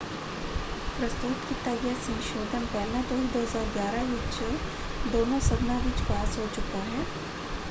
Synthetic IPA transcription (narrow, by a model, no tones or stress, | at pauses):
pɾɐst̪ut̪kit̪əjəsə̃nʃoːd̪ʱənkɐɾnat̪oɦid̪oːɦəzaːɾɡjaːɾaʋɪt͡ʃse | d̪oːnõsɐb̪nãʋɪt͡ʃbaːsɦot͡ʃʊkaɦɛː